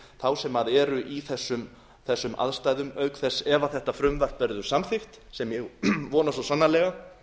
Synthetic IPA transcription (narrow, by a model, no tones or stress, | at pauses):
θawsɛmaðɛːɾʏʔiθɛsːʏm | θɛsːʏma̰ðst̪aːjðʏmœːɥkθɛsːɛvaθɛht̪afɾʏmvar̥t̪vɛɾðʏ̥samθɪft̪ | sɛmjɛɣvɔːnasɔsanːalɛːɣa